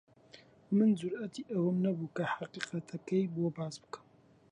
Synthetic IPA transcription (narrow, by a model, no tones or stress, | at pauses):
mɨnzuɾʔɐt̪ʰiʔɐwɐmnɐbukɐħaqʼiqʼɐt̪ʰɐkɐjbobazbɨ̥kʰɐ̥